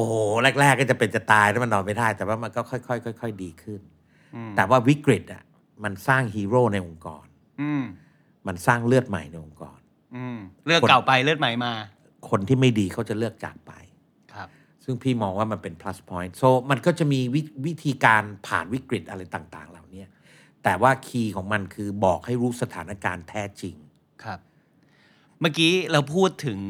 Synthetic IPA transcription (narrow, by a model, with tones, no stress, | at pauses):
ʔo˧˩hoː˨˩lɛ˥˩k̚ɾɛː˥˩k̚ːɔː˥˩t͡ɕa˨˩pe˧nt͡ɕa˨˩t̪aː˧jla˦˥ma˧nɔː˨˧npa˧jdaː˥˩jt̪ɛː˨˩waː˥˩ma˧nkɔː˥˩kʰɔ˥˩jkʰɔ˥˩jkʰɔ˥˩jkʰɔ˥˩jdiː˧kʰɯ˥˩n˧ | t̪ɛː˨˩waː˥˩wi˦˥kɾi˨˩t̪̚ʔa̰˨˩ | ma˧nsaː˥˩ŋɦiː˧ɾoː˥˩na˧jʔo˧ŋkɔ̰ː˧n | ʔɯː˧˩m | ma˧nsaː˥˩ŋlɯ˥˩ət̪̚ma̰˨˩˦jna˧jʔo˧ŋkɔ̰ː˧n | ʔɯ˧lɯ˥˩əkla˨˩wpa˧jlɯ˥˩ət̪̚ma˨˩˦jmaː˧ | kʰo˧nt̪ʰiː˥˩ma˥˩jdiː˧kʰa˦˥˩wt͡ɕa˨˩lɯ˥˩ək̚t͡ɕa̰ː˨˩k̚pa̰˧jʰ | sɯ˥˩ŋpʰiː˥˩mɔː˧ŋwaː˥˩ma˧npe˧npʰla˦˥spʰɔː˦˥jnt̪̚so˧˩ma˧nkɔː˥˩t͡ɕa˨˩ʔmiː˧wi˦˥wi˦˥t̪ʰiː˧kaː˧npʰa̰ː˨˩nwi˦˥kɾi˨˩t̪̚ʔa˧ɾa˧jt̪aː˨˩ŋt̪a̰ː˨˩ŋla˨˩wni˦˥ɐ | t̪ɛː˨˩waː˥˩kʰiː˧kʰɔː˩˦ŋma˧nkʰɯː˧bɔː˨˩k̚ha˥˩jɾuː˦˥sa˧t̪ʰaː˩˦na˦˥kaː˧nt̪ʰɛː˦˥t͡ɕi˧ŋ | kʰp̚ | maː˥˩kiː˦˥lɛː˦˥wpʰuː˥˩t̪ʰːɯ˩˦ŋ